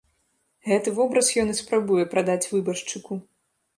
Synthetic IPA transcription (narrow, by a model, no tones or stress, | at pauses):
ɣɛt̪ɨvɔbɾɐsjɔnɨspɾabujɛpɾad̪at͡sʲvɨbɐʂt͡ʂɨku